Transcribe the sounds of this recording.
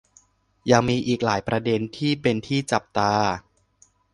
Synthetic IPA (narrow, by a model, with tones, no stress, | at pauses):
jaː˨˩ŋmiː˧ʔiː˨˩k̚laː˩˦jpɾa˧de˧nt̪ʰiː˥˩pe˧nt̪ʰiː˥˩t͡ɕa˨˩p̚t̪aː˧